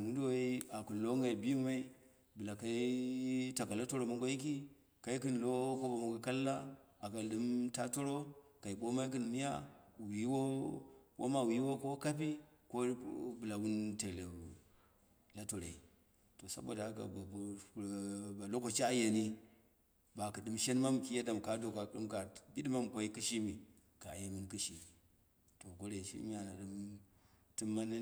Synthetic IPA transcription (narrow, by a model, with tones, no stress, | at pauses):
wu˦ndu˦wa˦i˦a˨ku˨nlo˦ŋɡa˨i˨bi˦ma˦i˦ | bɨ˨la˨ka˦i˦ta˨ka˨la˦to˦ɾo˨ma˦ŋɡo˦ji˦k̬i˦ | ka˨i˦kɨ˦n˨lo˦ko˦o˨ma˨ŋɡa˨ka˦lːa˦a˨ka˨ɗɨ˦mta˦to˦ɾo˦ka˨i˨ɓo˦ma˦i˦k̬ɨ˦n˨mi˦ja̰˦wi˨˦wo˦wʔo̰˦ma˦wi˨˦wo˦ko˦ka˦p̬i˦ | ko˦bɨ˨la˨wu˦nte˨le˨ | la˦to˨ɾa˨i˨ | to˨sa̰˨bo̰˨da˨˦ka̰˨ | ba˨lo˦ko˨t͡ʃa˦ja˨ni˦ | ba˨kɨ˨ɗɨ˦mʃe˦n˦ma˦m˨ki˦ja˦da˨m˨ka˨do˨ka˨ɗɨ˦ka˨bi˦ɗma˦m˨kʷo˦i˦kɨ˦ʃi˦mi˨ | ka˨ja˨˦mɨ˦nkɨ˦ʃi˨ | to˨ko˦ɾe˨i˨ʃḭ˦m˦a˨na̰˨ɗɨ˦m | tɨ˦mːa˦n˦